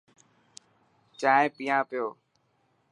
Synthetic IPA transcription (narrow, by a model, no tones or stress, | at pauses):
t͡ʃãːpijãːpɪjoː